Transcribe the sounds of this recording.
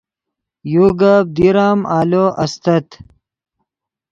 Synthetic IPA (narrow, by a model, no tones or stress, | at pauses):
juːɡab̚d̪iɾaːmaːloʔɐst̪ɐt̪